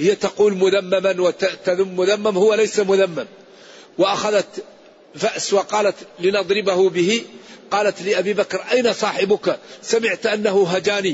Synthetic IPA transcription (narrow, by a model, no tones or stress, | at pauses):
hɪjːat̪ɑquːlmʊðamːamanwat̪aðʊmːʊðamːamhʊwːalajsamʊðamːam | waʔaxaðat̪ | faʔswɑqɑːlat̪lɪnɑd̪ˤɾɪbahʊbɪhiqɑːlat̪lɪʔabibakɾʔajnasˤɑːħɪbʊksamɪʕt̪ʔanːahʊɦad͡ʒaːni